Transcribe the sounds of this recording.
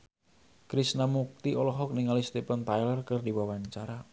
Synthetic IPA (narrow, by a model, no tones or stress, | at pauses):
kɾisnamuk̚t̪iɔlɔɦɔk̚niŋalist̪epənt̪ajlərkərdiwawaɲt͡ʃaɾa